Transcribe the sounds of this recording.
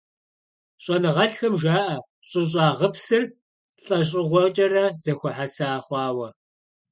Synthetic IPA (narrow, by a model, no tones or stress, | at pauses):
ɕʼɔnɨʁɐɬxɐmʒaːʔɐ | ɕʼɪɕ̬ʼɑːʁəpsɨr | ɬʼɐɕ̬ʼɪʁʷɔt͡ʃʼɐrɐz̥ɐxʷʊħasaːχʷɑːwɐ